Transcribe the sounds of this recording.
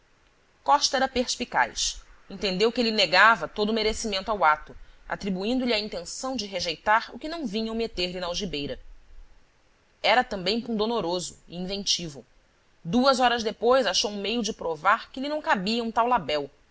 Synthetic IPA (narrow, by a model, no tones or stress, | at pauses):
kɔʃt̪ɐɛɾɐpeɾspika̰jsẽnt̪ẽnd̪ewkɪelɪneɡavɐt̪od̪ʊmeɾesimẽnt̪ʊawat̪ʊa̰t̪ɾibuĩnd̪ʊliɐĩnt̪ẽsɐ̃w̃d͡ʒɪɦeʒejt̪aɾʊ̰kɪnɐ̃w̃vĩɲɐ̃w̃met̪eɾlɪnɐawʒibejɾɐ | ɛɾɐt̪ɐ̃mbẽj̃pũnd̪onoɾozʊɪĩvẽnt͡ʃivṵw | d̪uɐzɔɾɐzd̪epojzaʃowũmejʊd͡ʒɪpɾovaɾkɪelɪnɐ̃w̃kabiɐũt̪awlabɛw